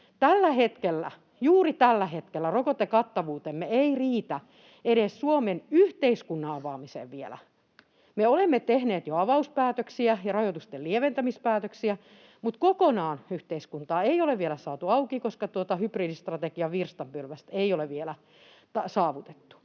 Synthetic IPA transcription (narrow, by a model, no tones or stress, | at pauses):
t̪ælːæhet̪kelːæ̰ | juːrit̪ælːæhet̪kelːærokot̪ekɑt̪ːɑʋuːt̪emːeeiriːt̪æ | eɾessuomenyht̪eiskunːɑɑʋɑːmisḛːʋʋielæ̰ | meolemːet̪ehneːt̪joɑʋɑuspæːt̪øksiæjɑrɑjot̪ust̪elieʋent̪æmispæːt̪øksiæ | mut̪kokonɑːnyht̪eiskunt̪ɑːeioleʋʋielæsɑːt̪uɑukikoskɑt̪uot̪ɑhypriːdist̪rɑt̪ekiɑʋirst̪ɑmpylʋæst̪eioleʋʋielæ | t̪ɑsɑːʋut̪e̥t̪ːu̥